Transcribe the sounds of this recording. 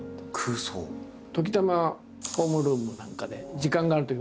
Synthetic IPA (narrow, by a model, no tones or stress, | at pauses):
kʰɯːso̰ː | t̪o̞k̬ʲi̥t̪ama | ho̞ːmɯ̟ɾɯ̟ːmɯ̟nãŋkad̪e̞d͡ʑikãŋɡaːɾɯ̟t̪oi